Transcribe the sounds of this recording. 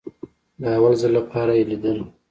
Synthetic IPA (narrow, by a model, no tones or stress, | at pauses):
d̪əawalzəlːapʰɑɾajelid̪əl